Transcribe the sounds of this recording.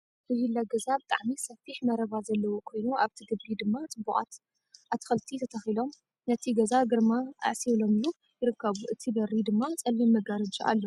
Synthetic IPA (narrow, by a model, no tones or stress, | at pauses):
ʔɨhilːaɡɐzabɨt̪ʼa̰ʕmisɐfiħmɐɾɐβazɐlːɐwokʰo̞jnuaβt̪ʰiɡɨbːid̪ɨmːat͡sʼɨbuʔʼa̰t̪ | ʔat̪ʰɨ̥xɐlt̪ʰit̪ʰɐt̪ʰɐxilo̞m | nɐt̪ʰiɡɐzaɡɨɾmaa̰ʕsilo̞mlu | jɪɾɨkːɐβuʔɨt̪ʰibɐɾid̪ɨmːat͡sʼɐlːimɐɡaɾɐd͡ʒiʔa̰lːo